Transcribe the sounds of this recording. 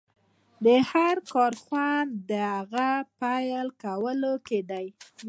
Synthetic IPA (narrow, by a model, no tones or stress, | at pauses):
d̪əhaɾkɑɾxwand̪əhaɣapajlkawəloked̪aj